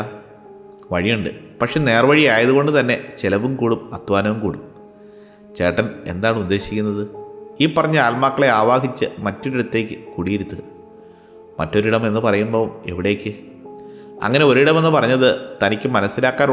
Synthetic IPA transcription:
ʋɐɻijuɳɖɨ̰ | pɐkʂe̞ne̞ːrɐʋɐɻijaːjɐðuɣo̞ɳɖɨt̪ɐnːe̞t͡ɕelɐʋumkuːɽumɐd̪̥ʋaːnɐʋumkuːɽum | t͡ɕe̞ːʈːɐne̞̰nd̪aːɳɨud̪ːe̞ːɕikʲːunːɐðɨiːpːɐrɐɲːɨaːlmaːkːɐɭe̞aːʋaːɦit͡ɕːɨmɐtːoɾiɽut̪ːe̞ːkʲːɨkuɽijiɾut̪ːɨɣɐ | mɐtːo̞ɾiɽɐme̞nːɨpɐrɐjumboːe̞̰ʋiɽe̞ːkʲːɨ | ɐ̰ŋːɐne̞o̞ɾiɽɐme̞nːɨpɐrɐɲːɐðɨt̪ɐnikʲːɨmɐnɐsːilaːkːaːn

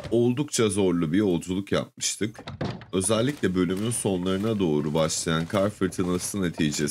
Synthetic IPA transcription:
o̞lˠd̪ukt͡ʃʰazo̞ɾlˠubiɾo̞d͡ʒulˠukja̰p̚mɯʃt̪ʰɯkø̞zɛlʲːicʲlʲɛbø̞lʲymynso̞nlˠaɾɯnad̪o̞ːɾubaʃlˠajankʰaɾfɯɾt̪ʰɯnasɯne̞t̪ʰijd͡ʒɛ

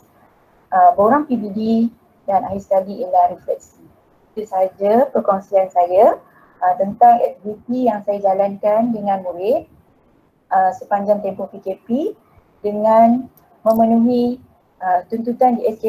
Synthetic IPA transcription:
ʔəbəoɾaŋpibidi | danaɦiskalielaɾifɛts | it̪usaɦad͡ʒapərkɔŋsiansaja | ət̪ənt̪aŋɛk̚t̪ivit̪ijaŋsajad͡ʒalankandəŋãnmuɾɪt̪̚ | ʔəsəpaɲd͡ʒaŋt̪ɛmpopikepi | dəŋãn | mə̃mə̃nuɦi | ət̪unt̪̬ut̪andiɛske

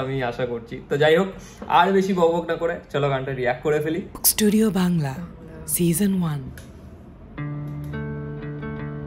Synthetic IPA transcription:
amiaʃakoɾt͡ɕʰit̪od͡ʑajɦok | a̰ɾbeʃibɔɡobʱoɡnakoɾet͡ɕɔloɡaɳʈaɾiɛk̚ʈkoɾefelisʈuɖiobaŋla | sizənwan

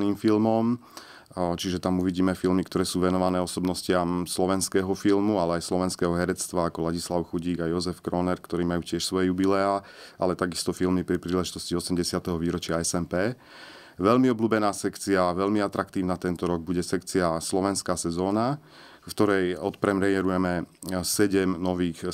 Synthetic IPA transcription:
niːmfilmɔm | t͡ʃiʒɛt̪amuʋiɟiːmɛfilmikt̪ɔɾɛːsuːʋɛnɔʋanɛːɔsɔbnɔscɪamslɔʋɛnskɛːɦɔfilmualɛajslɔʋɛnskɛːɦɔɦɛɾɛt͡st̪ʋaːkɔlaɟislaʊxuɟiːɡajɔzɛfkɾɔnɛɾkt̪ɔɾiːmajuːcɪɛʃsʋɔjɛjubilɛaː | ʔa̰lɛt̪aɡist̪ɔfilmipɾipɾiːlɛʒit̪ɔsciɔsɛmɟɛsɪat̪ɛɦɔʋiːɾɔt͡ʃɪaɛsɛmpɛː | ʋɛʎmiɔbluːbɛnaːsɛkt͡siaʋɛʎmiat̪ɾakt̪iːʊnat̪ɛnt̪ɔɾɔɡ̚buɟɛsɛkt͡siaslɔʋɛnskaːsɛzɔːna | ft̪ɔɾɛjɔt̪pɾɛmɾɛjɛɾujɛmɛsɛɟɛmnɔʋiːx

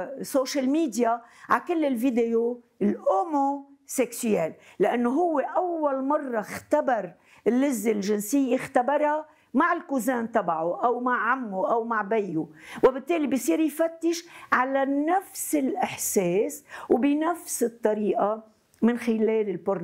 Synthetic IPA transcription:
soːʃalmiːd̪jaʕakɪlːɪlvid̪ejo | lʔomoseksyjeːllːɪʔanːoɦʊwːeʔawːalmɑrˤːɑxt̪abɑɾˤ | ɪlːɪzːelʒɪnsɪjːixt̪abɑɾˤa | maʕɪlkuzaːnt̪ˤɑbʕoʔawmaʕːamːoʔawmaʕbajːowɪbɪt̪ːeːlibisˤiːɾjfat̪ːɪʃʕalanafsɪlʔɪħseːswbɪnafsɨt̪ˤːɑɾiːʔa | mɪnxɪleːlɪlbʊɾn

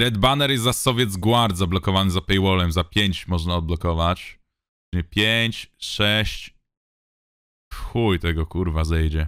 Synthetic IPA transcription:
ɾɛd̪banɛɾjɛzzasɔvʲjɛd̪zɡwaɾd̪zablɔkɔvanɘzapɛjwɔlɛmzapʲjeɲt͡ɕmɔʐnaɔd̪̚blɔkɔvat͡ɕ | ɲɛpʲjeɲt͡ɕʂɛɕt͡ɕ | xujt̪ɛɡɔkuɾvazɛjd͡ʑɛ

